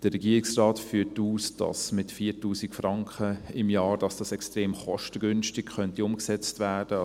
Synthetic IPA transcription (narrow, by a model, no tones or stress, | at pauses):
d̥əɾɛɡiːɾɪksrɑːtfyːtuːsd̥ɑ̰smɪtfiːtuːsɪkfrɑŋkχəɪmjɑːɾd̥ɑsd̥ɑsɛkstreːmχɔʃtəɡʏnʃtɪkχœntiʊmksɛt͡stvæːɾd̥ə